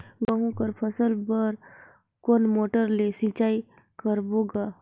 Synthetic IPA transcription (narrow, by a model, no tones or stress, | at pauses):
ɡəɦũkəɾpʰəsəlbəɾ | koːnmoːʈəɾlesĩt͡ʃaːi | kəɾboːɡaː